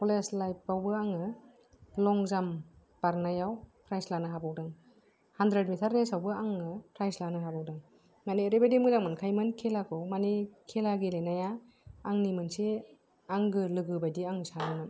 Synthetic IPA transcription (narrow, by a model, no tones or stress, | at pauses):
pɔleslajp̚ːawbɯaŋɯ | lɔŋzam | b̥aɾnajawpʰɾajslanɯɦabɔwdɯŋ | handɾedmitʰaɾnesawbɯaŋɯpʰɾajslanɯɦabɔwdaŋ | maniɾebadimɯdaŋmɯnkʰajmɯnkʰelakʰɯwmanikʰelaɡilenajaː | ŋnimɯnse | aŋɡɯlɯɡɯbajdiaŋsanɯnɯm